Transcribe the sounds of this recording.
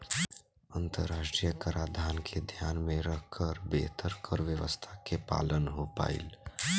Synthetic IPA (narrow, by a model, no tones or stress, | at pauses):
ə̃nt̪əɾaːʃʈɾijəkəɾaːd̪ʱaːnkʰed̪ʱjaːnmẽɾəɦkʰəɾbḛːt̪ʰəɾkʰəɾʋjəʋə̰st̪ʰakepa̰ːlənɦopa̰ːḭl